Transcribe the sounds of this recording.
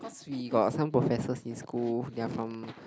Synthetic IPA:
kɔswiɡɔt̚sãmpɹofɛsəsĩnskuldɛfɹɔ̃m

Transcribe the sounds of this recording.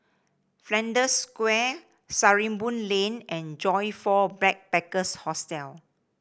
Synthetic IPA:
flɛ̃ndəskwɛ | saɹĩmbũnlẽnɛ̃nd͡ʒɔjfɔblɛk̚pɛkəshɔstɛl

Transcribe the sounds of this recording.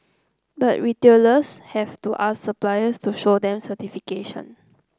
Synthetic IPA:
batɹiteləshɛvtuʔasːəplajəstuʃodɛ̃msətifikeʃə̰̃n

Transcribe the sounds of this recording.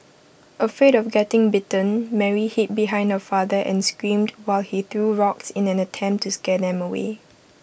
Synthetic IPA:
ʔəfɹedɔfɡɛtɪ̃ŋbɪtə̃nmɛɹihit̚biɦãɪ̃nhəfadəʔɛ̰̃nskɹĩmdwaɪlhiθɹuɹɔksɪ̃nɛ̃nətʰɛ̃mp̚tʰːuskɛdɛ̃məwḛ

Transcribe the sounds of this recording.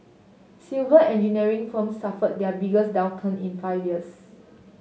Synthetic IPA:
silvəʔɛ̃nd͡ʒiniəɹĩŋfə̃msːafət̚dɛəbiɡəsdãw̃ntʰə̃nḭ̃nfaɪvjiəs

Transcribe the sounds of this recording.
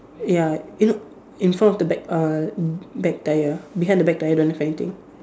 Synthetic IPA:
jajuno | ĩnfɹɔ̃mɔfdəbɛk̚a | bɛk̚tajəbiɦãjndəbɛk̚taɪjədõnhɛfɛnit̪ḭ̃ŋ

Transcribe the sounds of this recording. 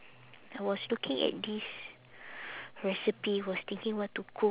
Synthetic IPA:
awɔslukʰɪ̃ŋɛ̰t̚dis | ɹɛsipiwɔst̪ɪ̃ŋkĩŋwɔtːukʰo

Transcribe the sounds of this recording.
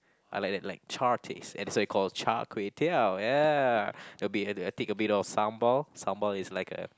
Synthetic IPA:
ʔaɪlajk̚dɛt̚laɪk̚t͡ʃʰaɹtʰḭsɛ̰̃ndɛswɔikʰɔlt͡ʃa̰kʰɹietʰija | dɛbiəət̪ĩkəbiɾɔfsãmbɔlsãmbəlɪslaɪkə̰

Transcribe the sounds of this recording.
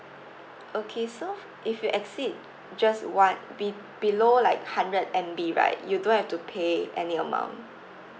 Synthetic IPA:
okʰeso | ʔifjuʔɛksid̚ | d͡ʒaswãnbi | b̥ilolaɪkhãndɹədɛ̃mbiɹa̰ɪt̚judõnhɛftupʰeʔɛniəmã̰ʊ̃nt

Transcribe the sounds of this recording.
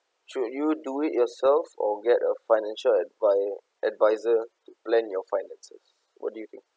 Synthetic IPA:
ʃudjuduiʔjɔsɛlfɔɡɛtəfaɪnɛ̃nʃəlɛdva | ʔɛdvaɪzətuplɛ̃njɔfaɪnɛ̃nsəs | wɔ̰t̚dujut̪ɪ̃ŋk̚

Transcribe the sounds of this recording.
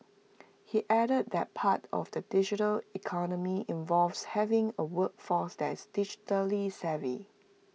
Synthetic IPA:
hiʔɛɾəd̚dɛt̚pʰatʰɔ̰fdədɪd͡ʒitəlikʰɔnəmiɪ̃ɱvɔlvshɛvɪ̃ŋəwək̚fɔsdɛtɪsdɪd͡ʒi̥təlisɛvḭ

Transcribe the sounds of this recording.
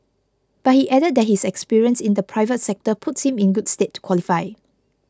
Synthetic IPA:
b̥at̚hiʔɛdəd̚dɛt̚hisɛkspiɹiə̃nsĩndəpʰɹaɪvətsɛk̚təpʰʊtshĩmĩnɡudstetːu̥kʰwɔlifaɪ

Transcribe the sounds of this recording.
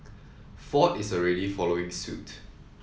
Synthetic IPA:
fɔtɪsɔɹɛdifɔloɪ̃ŋsṵt

